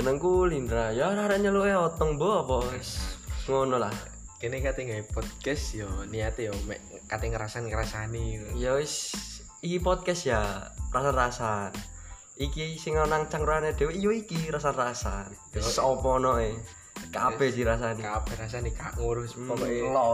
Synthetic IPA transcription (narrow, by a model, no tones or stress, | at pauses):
dənəŋkulinɾajaɾaɾaʔɲalukajaɔt̪ɔŋbɔɔpɔ | ŋɔnɔlah | kinɪkat̪ɛŋaipɔd̪kɛsjɔniat̪ijɔmɛ̰ʔ | kat̪ɛŋəɾasankəɾasanijawɪs | ikipɔd̪̚kɛsjarasanrasan | ikisɪŋɔnaŋt͡ʃaŋɾuanad̪̥e̤weijoikiɾasanrasan | sɔpɔnɔʔɛ | kapɛdiɾas̬aniapɛɾas̬anika̰ŋuɾʊsɔlɔ